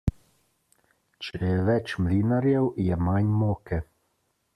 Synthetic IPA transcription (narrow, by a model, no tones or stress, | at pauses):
t͡ʃɛɛjɛʋɛt͡ʃmliːnaɾjɛwjɛmaɲmoːkɛ